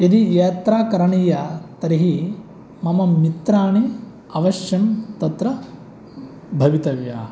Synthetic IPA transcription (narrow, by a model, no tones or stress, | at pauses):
id̪ijeːt̪ɾaːkɐɾɐɳiːjɐt̪ɐɾiɦi | mɐmɐmit̪ɾaːɳi | ɐʋɐʃjɐmt̪ɐt̪ɾɐ | bʱɐʋit̪ɐʋja̰ː